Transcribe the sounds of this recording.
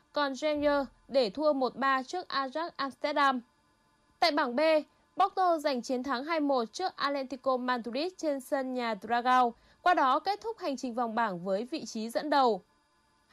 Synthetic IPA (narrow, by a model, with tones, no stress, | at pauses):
kɔ˨˩nzɛ˧nəː˧ | ɗe˧˩t̪ʰu˧əmo˨˩t̚ɓaː˧t͡ɕɨ˦˥ək̚ʔaː˧zaː˦˥k̚ʔaː˧mst̪ɛ˦˥t̚ɗaː˧m | t̪a̰ː˧˨jɓaː˧˩ŋɓe˧ | ɓɔ˦˥k̚t̪o˧za˨˩jŋ̟t͡ɕi˨˦ənt̪ʰaː˨˦ŋɦaː˧jmo˨˩t̚t͡ɕɨ˦˥ək̚ʔaː˧lɛ˧nt̪i˧ko˧maː˧nt̪u˧li˦˥t̚t͡ɕe˧nsə˧nɲaː˨˩t̪zaː˧ɣaː˧w | kwaː˧ɗɔ˨˦ke˦˥t̚t̪ʰʊ˦˥k͡p̚ha˨˩jŋ̟t͡ɕï˨˩ŋ̟va˨˩wŋ͡mɓaː˧˩ŋvəː˨˦jvḭ˧˨t͡ɕi˨˦zə̰˧˥nɗə˨˩w